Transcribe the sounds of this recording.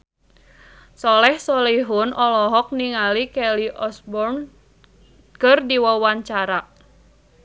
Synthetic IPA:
sɔlɛhsɔliɦʊnʔɔlɔɦɔk̚niŋalikɛliʔɔsbɔrn | kərdiwɔwaɲt͡ʃaɾaʔ

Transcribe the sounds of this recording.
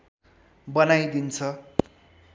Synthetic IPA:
bʌnajd̪int͡sʰʌ

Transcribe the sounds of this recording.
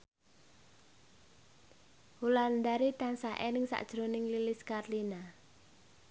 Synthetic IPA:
huland̪aɾit̪ansaʔenɪŋsa̰ʔd̥ʒ̥ɾonɪŋlilɪskarlina

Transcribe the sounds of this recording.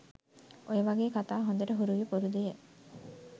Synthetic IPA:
ojeʋaɡeːkat̪aːɦond̪eɾəɦuɾuʋipoɾud̪ije

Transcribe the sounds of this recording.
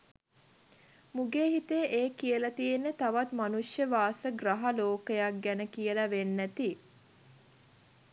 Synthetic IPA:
muɡeːɦit̪eʔeːkijəlɐt̪ijenːet̪aʋat̪manuʂjəʋaːsəɡraɦaloːkəjak̚ɡænəkijəlaʋenːæt̪i

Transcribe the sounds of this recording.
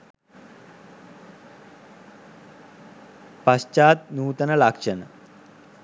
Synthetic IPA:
pɐst͡ʃaːt̪̚nuːt̪ɐnɐlakʂənɐ

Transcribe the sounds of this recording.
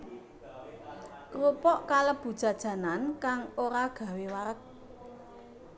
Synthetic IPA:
kɾopɔʔkaləb̥ṳd̥ʒ̥ä̤d̥ʒ̥ä̤nankaŋoɾaɡ̥ä̤wewaɾək̚

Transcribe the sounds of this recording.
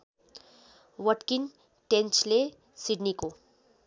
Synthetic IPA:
ʋəʈkin | ʈent͡ʃle | siɖniko

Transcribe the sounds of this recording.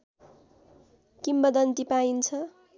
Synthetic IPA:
kimbʌd̪ʌnt̪ipaint͡sʰʌ

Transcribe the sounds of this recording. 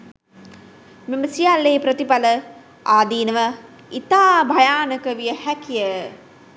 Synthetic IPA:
miməsijalːeːpɾət̪ipalə | aːd̪iːnəʋə | it̪aːbʱajaːnəkəʋijəhækijə

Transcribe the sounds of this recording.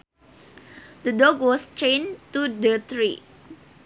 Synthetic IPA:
d̪ədɔɡwɔst͡ʃẽnt̪udət̪ɾi

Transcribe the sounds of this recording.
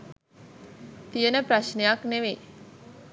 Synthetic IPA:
t̪ijənəpɾaʃnejakneʋe

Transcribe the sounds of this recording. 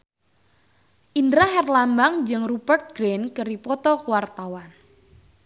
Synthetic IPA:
ʔindɾaɦɛrlambaŋd͡ʒɨŋrubərt̪̚ɡ̥ɾenkəɾipɔt̪ɔkuwart̪awan

